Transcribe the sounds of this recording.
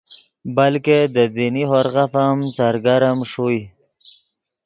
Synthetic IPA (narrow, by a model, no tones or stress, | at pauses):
balked̪əd̪iniɦoɾɣafamsaɾɡaɾəmʂui